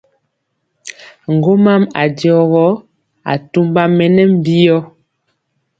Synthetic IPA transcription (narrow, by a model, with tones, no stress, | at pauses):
ŋ̩˨ɡo˦ma˦ma̰˨djɔ˨ɣɔ˦ | a̰˨tu˦mba˦mɛ˨nɛ˦m̩˦˨bi˦jɔ˦